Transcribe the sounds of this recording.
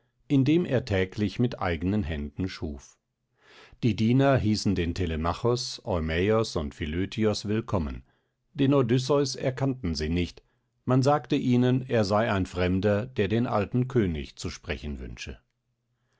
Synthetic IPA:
ʔɪndeːmʔḛːɐtʰɛːklɪçmɪtʔa̰ɪɡənənɦɛndn̩ʃuːf | d̥iːdiːnɐɦiːsn̩deːntʰelemaχɔsʔɔʏmɛɔsʊntfiløːtʰiɔsv̥ɪlkʰɔmə̰n | d̥eːnodʏs̬ɔʏsɛɐkʰantn̩ziːnɪçt | manzaːktəʔiːnəneːɐzaɪaɪnfʁ̥ɛmdɐd̥eːɐdeːnʔa̰ltn̩kʰøːnɪ̰çt͡suʃpʁ̥ɛçn̩vʏ̰nʃə̰

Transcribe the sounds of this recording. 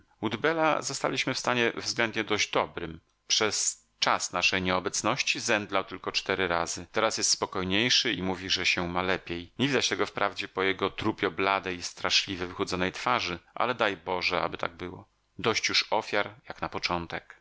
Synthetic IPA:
ud̪bɛla̰zɔst̪a̰lʲiɕmɘfst̪aɲɛvzɡlɛnd̪̚ɲɛd̪ɔʑd͡ʑd̪ɔbɾɘm | pʂɛs | t͡ʂasnaʂɛjɲɛɔbɛt̪snɔɕt͡ɕizɛnd̪lawt̪ɘlkɔt͡ʂt̪ɛɾɘɾazɘt̪ɛɾasjɛst̪spɔkɔjɲejʂɘimuvʲiʐɛɕɛmalɛpʲjejɲevʲid̪at͡ɕt̪ɛɡɔfpɾʔavd͡ʑɛpɔjɛɡɔt̪ɾupʲjɔblad̪ɛjist̪ɾaʂlʲivɛvɘxɔd̪zɔnɛjt̪faʐɘʔa̰lɛd̪ajbɔʐɛa̰bɘt̪a̰ɡ̚bɘwɔ | d̪ɔɕt͡ɕjuʂɔfʲjaɾjaknapɔt͡ʂɔnt̪ɛk

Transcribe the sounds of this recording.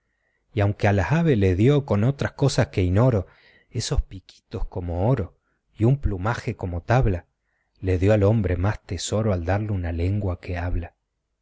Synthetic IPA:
iawŋkealaaβeleðjoko̞no̞t̪ɾasko̞saske̞ino̞ɾo̞ | e̞so̞spiki̥t̪o̞skomo̞oɾo̞ | iumplumaxeko̞mo̞t̪aβla | le̞ðjo̞alo̞mbɾemast̪eso̞ɾoald̪aɾleunale̞ŋɡwakeaβla

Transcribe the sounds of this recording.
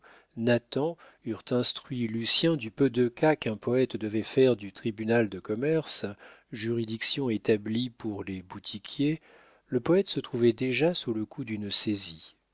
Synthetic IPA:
nat̪ɑ̃ | yʁt̪ɛ̃st̪χɥilysjɛ̃d̪ypød̪əkakɛ̃pɔɛt̪d̪əvɛfɛʁd̪yt̪χibynald̪əkɔmɛʁs | ʒyʁid̪iksjɔ̃et̪ablipuʁlebut̪ʰikʰʲje | ləpɔɛt̪sət̪χuvɛd̪eʒasuləkʰud̪ynsezi

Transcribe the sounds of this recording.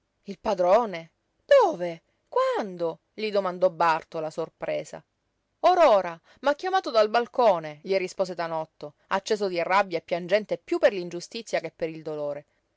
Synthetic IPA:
ilpad̪ɾoːne | d̪̥oːve | kwand̪o | ʎid̪omand̪ɔbːart̪olasorpɾeːsa̰ | oɾoːɾa | makʲːjamaːt̪od̪albalkoːneʎirispoːset̪anɔt̪ːo | at͡ʃːeːsod̪irabjaepːjand͡ʒɛnt̪epːjupːerlind͡ʒust̪it̪sːjakepːeɾild̪oloːɾe

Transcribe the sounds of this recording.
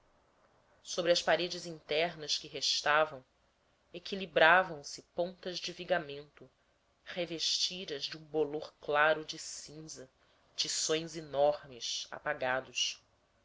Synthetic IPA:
sobɾɪɐspaɾed͡ʒɪzĩnt̪ɛɾnɐskɪɦeʃt̪avɐ̃w̃ | ekilibɾavɐ̃w̃sɪpõnt̪ɐʒd͡ʒɪviɡamẽnt̪ʊ | χeveʃt͡ʃid̪ɐzd͡ʒɪũboloɾklaɾʊd͡ʒɪsĩzɐ | t͡ʃisõj̃zinɔɾmɪʃa̰paɡad̪ʊs

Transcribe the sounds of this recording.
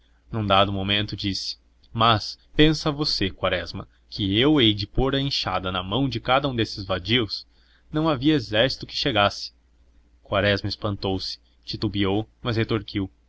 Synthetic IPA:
nɐ̃w̃d̪ad̪ʊmomẽnt̪ʊd͡ʒisɪ̥ | mɐspẽsɐvosekwaɾɛzmɐ̰ | kʰɪewejd͡ʒɪpoɾɐẽʃa̰d̪ɐnɐmɐ̃w̃d͡ʒɪkad̪ɐũd̪esɪzvad͡ʒiws | nɐ̃w̃aviɐezɛɾsi̥t̪ʊkɪ̥ʃeɡasɪ̥ | kwaɾɛzmɐespɐ̃nt̪owsɪ̥ | t͡ʃit̪ubiowmɐzhet̪oɾkiw

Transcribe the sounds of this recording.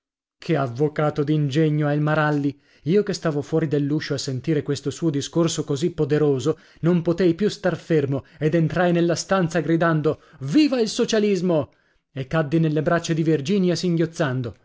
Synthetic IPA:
kʰeavːokaːt̪od̪ind͡ʒeɲːoɛilmaɾalːi | iːokest̪aːvofwɔːɾid̪elːuːʃoasːent̪iːɾekwest̪osuːod̪iskorsokozipːod̪eɾoːzo | nompot̪ejpjust̪arfermoed̪ent̪ɾajnelːast̪ant̪saɡɾid̪and̪oviːvailsot͡ʃalizmo | ekːad̪ːinelːebɾat͡ʃːed̪ivird͡ʒiːnjasiŋɡjot̪sːand̪o

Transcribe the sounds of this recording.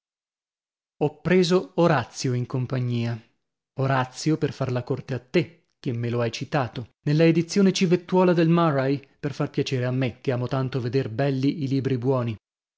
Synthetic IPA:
ɔpːɾeːzooɾat̪sːjoiŋkompaɲːiːa | oɾat̪sːjoperfarlakort̪eat̪ːe | k̟emːeloajt͡ʃit̪aːt̪onelːaed̪it̪sːjoːnet͡ʃivet̪ːwɔːlad̪elmarajperfarpjat͡ʃeːɾeamːek̟ːeaːmot̪ant̪oved̪erbɛlːiiliːbɾibwɔːni

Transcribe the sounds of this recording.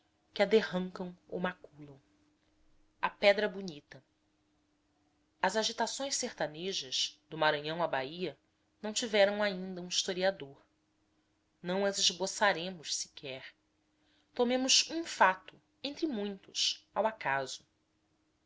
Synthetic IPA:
kɪad̪ehɐ̃ŋkɐ̃w̃o̰wmakulɐ̃w̃ | apɛd̪ɾɐbunit̪ɐ | ɐzaʒit̪asõj̃sseht̪aneʒɐʃd̪ʊmaɾɐ̃ɲɐ̃w̃abaiɐ | nɐ̃w̃t͡ʃivɛɾɐ̃w̃aĩnd̪ɐũiʃt̪oɾiad̪oɾ | nɐ̃w̃ɐzɪʒbosaɾẽmʊʃsi̥kʰɛɾ | t̪omẽmʊʃũfat̪ʊ | ẽnt̪ɾɪmũj̃t̪ʊsawakaz̥ʊ

